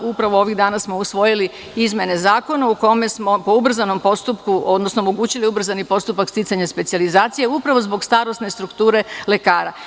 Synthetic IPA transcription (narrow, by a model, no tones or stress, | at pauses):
upɾaʋo̞o̞ʋiɣd̪aːnasmo̞usʋo̞jili | izmʲje̞ne̞zaːko̞nauko̞mesmo̞po̞ubr̩zano̞mpo̞st̪upkuod̪nosnoːmoɡuːt͡ɕiliubr̩zanipo̞st̪upakst̪it̪saɲaspe̞t̪sializaːt̪sije̞upɾaʋo̞zbo̞ɡst̪aːɾo̞sne̞st̪ɾukt̪uːɾe̞le̞kaːɾa